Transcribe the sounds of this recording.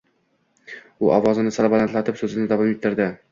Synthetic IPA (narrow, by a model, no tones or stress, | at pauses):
ʊʔɒvɒzɪnɪsalbalant̪lat̪ʰɪpsɵzɪnɪd̪avɒmet̪ʰːɪɾd̪ɪ